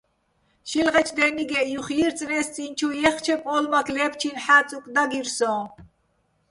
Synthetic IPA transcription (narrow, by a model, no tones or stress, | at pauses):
ʃilʁɛt͡ʃʰd̪ɛniɡɛjuχjiɾt͡sʼnɛst͡sʼint͡ʃʰujɛχt͡ʃʰɛpʼɔlmakʰlɛpt͡ʃʰinħat͡sʼukʼd̪aɡiɾsɔː